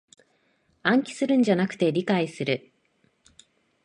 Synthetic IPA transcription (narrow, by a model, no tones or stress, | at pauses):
ãŋkʲi̥sɨɾɯ̟̃ɲd͡ʑanakɯ̥t̪e̞ɾʲikaisɨɾɯ̟